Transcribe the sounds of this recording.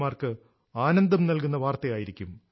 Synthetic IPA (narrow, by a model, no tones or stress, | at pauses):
maːrkɨ | aːnɐnd̪ɐmnɐlkunːɐʋaːrt̪ɐjaːjiɾikʲːum